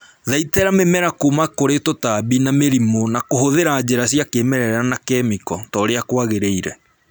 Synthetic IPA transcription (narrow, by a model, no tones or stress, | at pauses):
ðaitɛɾamemɛɾakumakoɾetotabinameɾimonakoɦoðeɾaːd͡ʑeɾasjakeːmɛɾɛɾanakɛmikɔtɔɾeakwaɣeɾeiɾɛ